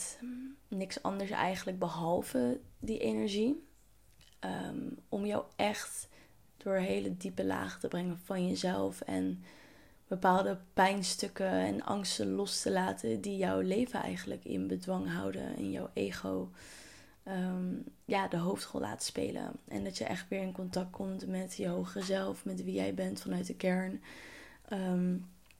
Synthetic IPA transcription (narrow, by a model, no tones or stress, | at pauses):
nɪksɑ̰ndəɹsɛ̰jχənləɡ̚bəɦɑlˠvədiʔenɛɹʒi | əmɔmjɔwɛχt | d̥ʊɹɦejlədipəla̰ːχətəbrɛŋəv̥ɑnjəzɛlˠfɛ̰n | b̥əpaːlˠdəpɛjnstɵkəɛ̰nɑ̰ŋstənlɔstəlaːtʰədijɔwlejvənɛ̰jχənləkɪ̰nbədʋɑŋɦɑwdə̰ɪ̰njɑ̰wʔejχow | əjaːdəɦowftχɔ̰la̰ːtspḛjlə̰ʔɛ̰ndɑtjəʔɛχtʋɪːɹɪnkɔntɑk̚kʰɔmtmɛtjəɦowχəzɛlˠfmɛtʋijɛjbɛntfɑnœɥt̚dəkɛɹn | ʔəm